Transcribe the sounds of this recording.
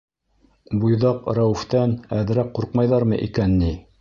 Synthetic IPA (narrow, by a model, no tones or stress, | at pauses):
bujðɑqɾæwɘ̆ft̪ænæð̆ɾæk̚qːuɾqmɑjðɑɾmɤʔḭkænːi